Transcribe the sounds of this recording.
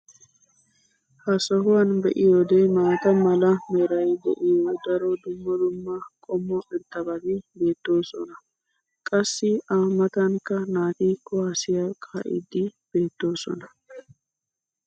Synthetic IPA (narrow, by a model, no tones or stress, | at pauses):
hɐsɔhʊwɐnbɛʔɪjoːd̪ɛmaːt̪ɐmɐlɐmeɾɐjbɛ̰ʔɪjod̪ɐɾɔd̪ʊmːɔd̪ʊmːɐkʼɔmːɔʔɪɾt̪ːɐbɐd̪ɪbe̞ːt̪ːo̞ːsɔ̰nɐ | kʼɐsːɪaːmːɐt̪ɐŋkːɐnaːkikːɔhasɪjɐkʰa̰ːʔɪ̰d̪ːɪb̥e̞ːt̪ːo̞ːsɔ̰nɐ